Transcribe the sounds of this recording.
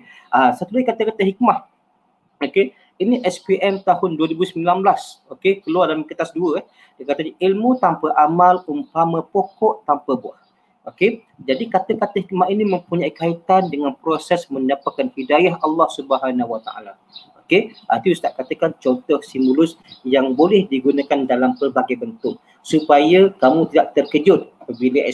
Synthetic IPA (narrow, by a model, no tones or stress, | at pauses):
ʔasat̪ulaikat̪əkat̪əɦik̚maʔ | oke | iniʔɛspiʔɛmt̪ahʊnduəɾibusəmbilanblasokekəluarlaməkət̪asduəɛh | dəkat̪aɲəʔilmut̪ampəʔamalumpaməpokɔʔt̪ampəbuah | oke | d͡ʒadikat̪əkat̪əhmaʔinimə̃mpuɲaikait̪andəŋanpɾosɛsmə̃ɲdapakanhidajaɦɑlːɑhsubəɦanawat̪a̰ʔa̰la | okea̰nt̪iust̪aʔkat̪əkant͡ʃɔnt̪ɔhsimbulʊs | jaŋbolɛhdiɡunakandalampərbaɡajbənt̪ʊʔ̚ | supajəkamũt̪idaʔ̚t̪ərkəd͡ʒʊt̪̚apəbiləʔ